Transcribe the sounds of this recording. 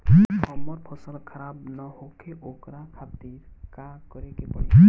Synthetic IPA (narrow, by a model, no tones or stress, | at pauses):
ɦɔmːɔɾpʰʌsəlkʰʌɾabnʌɦokeʔokɾakʰat̪iɾ | kakʌɾekepɔɽi